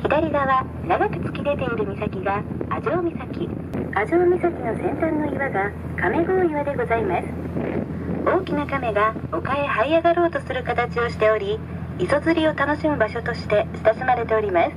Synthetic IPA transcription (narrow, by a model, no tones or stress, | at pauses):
çid̪aɾʲiɡaβa | naɡakɯ̟̥t͡sɨ̥kʲid̪e̞t̪e̞iɾɯ̟mʲisakʲiɡaːʑoːmʲisakʲi | aʑoːmʲisakʲino̞sẽ̞nt̪ãnːo̞iβaɡa | kame̞ɡoːiβad̪e̞ɡo̞zaimasɨ̥ | o̞ːkʲinakame̞ɡao̞kae̞haiaɡaɾo̞ːt̪o̞sɨɾɯ̟kat̪at͡ɕio̞ɕi̥t̪e̞o̞ɾʲiː | so̞t͡sɨɾʲio̞t̪ano̞ɕimɯ̟baɕo̞t̪o̞ɕi̥t̪e̞ɕi̥t̪asɨmaɾe̞t̪e̞o̞ɾʲimasɨ̥